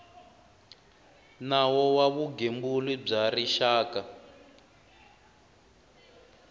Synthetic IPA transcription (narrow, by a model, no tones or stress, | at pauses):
nawɔwaβuɡembulib͡ʐariʃaːka